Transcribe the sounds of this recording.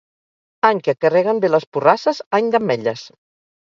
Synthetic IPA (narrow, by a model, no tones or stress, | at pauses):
aɲkəkərɛɣəmbeləspurasəzaɲd̪əmːɛʎəs